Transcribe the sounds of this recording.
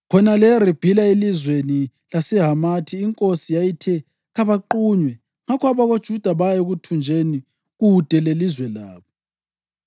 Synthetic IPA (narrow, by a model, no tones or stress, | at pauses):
kʰɔnalɛrib̥ʱilaelizweni | lasɛɦamatʰiːŋkʼosijajitʰɛ | ɣaβaǃuɲwɛ | ŋakʰɔaβaɣod̥ʒ̥ʱud̥ʱaβajeɣutʰund͡ʒʱeni | ɣud̥ʱɛlelizwɛla̰ːβɔ